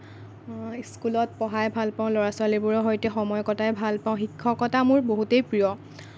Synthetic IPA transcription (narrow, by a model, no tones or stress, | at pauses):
skulɔtpɔɦajbʱalpaʊ̃lɔɹasʊwalibʊɹɔɦɔjtɛxɔmɔjɔkɔtaɛbʱalpaʊ̃xikʰːɔkɔtamʊɹboɦutejpɹijɔ